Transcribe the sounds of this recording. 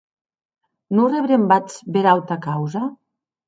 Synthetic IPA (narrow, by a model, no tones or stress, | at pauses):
noreβɾembat͡sbeɾawt̪akawza